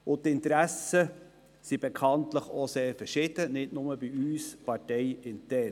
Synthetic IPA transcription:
ʊt̪ɪntɾæsə | sib̥ɛkʰɑntləχoseːɾfɛʃɪd̥ənɪtnʊməbiyːspɑɾtɛɪɪntɛɾ

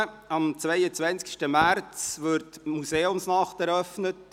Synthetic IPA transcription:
ɑmt͡svɛɪət͡sʋænskʃtəmært͡sʋʏɾtmuseːʊmsnɑχtɛɾœfnət

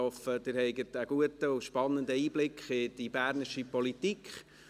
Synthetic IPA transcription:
ɔfəd̥ɪɾhɛɪɡətəɡ̥uətəʊʃpɑnːəndəiːblɪkχɪd̥ib̥æːɾnɪʃipɔlitikχ

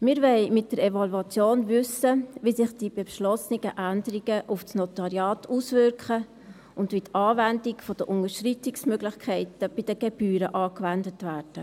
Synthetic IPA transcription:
mɪːɾvɛɪmɪt̚d̥əɾɛvɑluɑt͡sjoːnvʏsəʋisɪχd̥ib̥eʃlɔsniɡ̥əʔændəɾiɡ̥əʔufsnɔtɑɾiɑːtuːsvʏɾkχə | ʊndʋitɑːvændikfɔd̥əʔʊŋəʃtritɪksmøɡlɪχkʰɛɪtəb̥ɪd̥əɡ̥ɛb̥yːɾəʔɑːkʋændətvæːrd̥ə

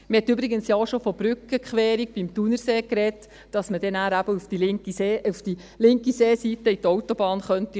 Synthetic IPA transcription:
məhɛtːybɾiɡənsjɑoʃofɔb̥ɾʏkəkχʋɛːɾik̚b̥imtunəɾseːkɾɛtː | ɑsmədɛnæːɾæbəufd̥ilɪkieufd̥i | lɪŋkiseːsitəitɔwtobɑːnχœnti

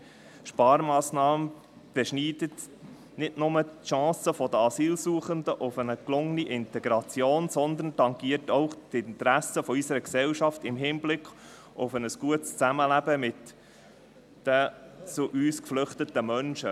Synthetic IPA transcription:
ʃpɑːɾmɑːsnɑːmə | b̥ɛʃniːdət̪ | nɪdnʊmətʃɑ̃ːsəfɔd̪əɑsiːlsuːəχənd̪əʔʊfənəklʊŋniʔɪnt̪ɛɡɾɑt͡sjoːnsɔnd̪ən̩tɑŋɡiətɔʊχt̪ɪnt̪əɾæsəfɔysəɾəksɛlʃɑft̪ɪmɦiːnblɪkχ | ʊfənəsɡ̥uətst͡sæməlæbəmɪt̪ | ət͡suʔyːskflʏχt̪ət̪əmœnʃə

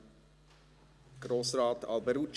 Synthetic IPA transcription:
ɡ̥rosrɑːtɑlˠbəɾut͡ʃ

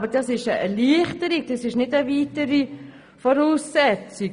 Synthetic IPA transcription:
bədɑsɪʃəʔɛliəχtəɾik̚d̥ɑsɪʃnɪdəʋiːtəɾi | fɔɾuːsːɛt͡sɪ

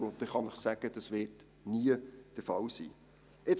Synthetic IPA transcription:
ʊnt̪ɛχɑnɪχsæɡ̥əd̥ɑsvɪːt | niəd̥əfɑlsḭː | ɪt͡s

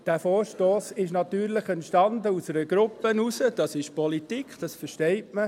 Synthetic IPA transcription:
d̥æːfoːɾʃtoːsɪʃnɑt̪yːɾlɪχɛntʃtɑnd̪əusɛɾəɡ̥ɾʊpːənusəd̥ɑsɪʃpɔlit̪ikχd̥ɑsfəɾʃtɛɪtmə

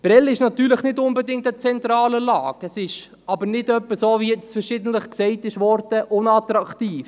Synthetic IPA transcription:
b̥ɾɛlɪʃnɑt̪yːɾləχnɪdʊnbədɪŋ̚tət͡sɛntɾɑːləlɑːɡ̥ɛsɪʃ | ɑbəɾnɪdœpːəsoːvijɛt͡sfɛɾʃɪdəntləχksɛɪtɪʃvɔɾdəʔʊnɑtɾɑktiːf

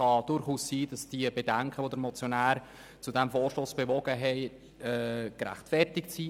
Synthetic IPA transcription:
ɑd̥ʊɾχuːssiːdɑsd̥iəbedæŋkʰəʋod̪əɾmɔt͡sjonæːɾ | t͡sudæmfoːɾʃlosb̥eʋɔɡ̥əɦɛɪ | ɛːkɾæ̰χtfɛrtɪksiː

